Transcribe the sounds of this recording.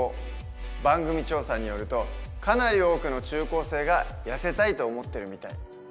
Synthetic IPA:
o | bãŋɡɯ̟mʲit͡ɕo̞ːsaɲ̟ijo̞ɾɯ̟t̪o̞kanaɾʲio̞ːkɯ̟no̞t͡ɕɨːko̞ːse̞ːɡajase̞t̪ait̪o̞ːmo̞t̪ːe̞ɾɯ̟mʲit̪ai

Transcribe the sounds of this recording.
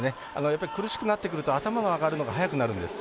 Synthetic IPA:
ne | a̰no̞japːaɾʲikɯɾɯ̟ɕi̥kɯ̟nat̪ːe̞kɯ̟ɾɯ̟t̪o̞at̪amano̞aɡaɾɯ̟no̞ɡaɦajakɯ̟naɾɯ̟̃nd̪e̞sɨ̥

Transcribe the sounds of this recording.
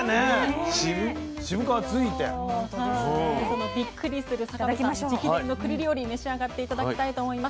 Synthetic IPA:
neɕiɯ | ɕibɯ̟kaβat͡sɨit̪ḛasonobʲikːɯ̟ɾʲisɨɾɯ̟sakakmaɕoikʲienokɯ̟ɾʲiɾʲioɾʲime̞ɕiaɡat̪ːe̞it̪ad̪akkʲiit̪ait̪o̞ːmo̞imas

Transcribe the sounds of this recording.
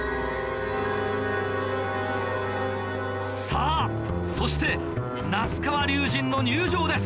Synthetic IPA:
saː | so̞ɕi̥t̪e̞ | nasɨ̥kaβaɾʲɨːʑĩnːo̞ɲɨːʑo̞ːd̪e̞sɨ̥

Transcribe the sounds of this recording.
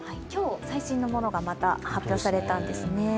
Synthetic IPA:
haikʲo̞ːsaiɕĩnːo̞mo̞no̞ɡamat̪a̰hapʲjo̞ːsaɾe̞t̪ãnd̪e̞sɨne̞

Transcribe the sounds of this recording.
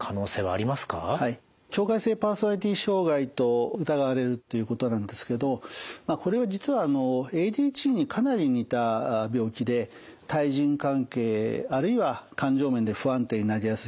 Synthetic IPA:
kʰano̞ːse̞ːβa̰ːɾʲimasɨ̥kahai | kʲo̞ːkaise̞ːpaːso̞naɾʲit̪̬ʲiɕo̞ːɡait̪o̞ɯ̟t̪aɡaβɾe̞ɾɯ̟t̪ːe̞jɯ̟ːko̞t̪o̞nãnd̪e̞sɨ̥ke̞d̪o̞mako̞ɾe̞βad͡ʑit͡sɨβaːno̞e̞d̪iːt͡ɕiːɲ̟ikʰanaɾʲiɲ̟it̪abʲo̞ːkʲid̪e̞t̪aiʑĩŋkãŋke̞ːaɾɯ̟iβakãɲ̟d͡ʑo̞ːmẽ̞nd̪e̞ɸɯ̟ãnt̪e̞ɲ̟inaɾʲijasɨ̥

